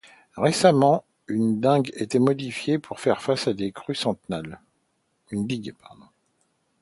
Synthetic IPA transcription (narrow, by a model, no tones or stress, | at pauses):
ʁesamɑ̃ | ynd̪ɛ̃ɡet̪ɛmɔd̪ifjepʰuʁfɛʁfasad̪ekχysɑ̃t̪nal | ynd̪iɡpaʁd̪ɔ̃